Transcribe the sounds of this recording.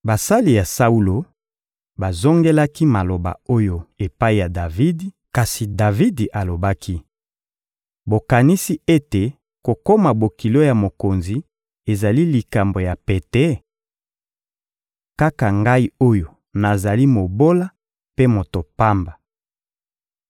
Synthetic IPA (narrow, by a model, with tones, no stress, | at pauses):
ba˨sa˦li˨ja˨sa˦u˦lo˨ | ba˨zo˦ŋɡe˦la˦ki˦ma˨lo˨ba̰˨o˦jo˦e˨pa˦i˨ja˨da˨vi˦d | ka˨si˨da˨vi˦dʔa˨lo˨ba˦kʰi˦ | bo˨ka˨ni˦si˦e˦te˨ | ko˨ko˦ma˨bo˨ki˨lo˦ja˨mo˨ko˨nzi˨ | e˨za˨li˦li˨ka˨mbo˨ja˨pe˨tɛ˦ | ka˦ka˨ŋɡa˦i˦o˦jo˨ | na˨za˨li˦mo˨bo˦la˦ | pe˦mo˨to˨pa˦mba˨